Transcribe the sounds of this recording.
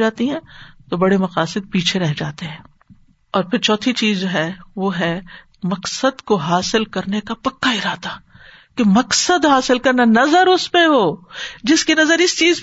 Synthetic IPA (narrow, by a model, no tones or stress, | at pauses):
aːt̪iɦɛ̃ːt̪obɐɽemɐqaːsɪd̪̚piːt͡ʃʰeɾɛɦd͡ʒaːt̪eɦɛ̃ː | ɔːɾpʰɪɾt͡ʃɔːt̪ʰit͡ʃiːzd͡ʒoɦɛʋoːɦɛ | mɐqsəd̪koɦaːsɪlkɐɾnekapɐkːaɪɾaːt̪aː | kemɐqsəd̪ɦaːsɪlkɐɾnanɐzəɾʊspẽɦoːd͡ʒɪskenɐzəɾɪst͡ʃiːz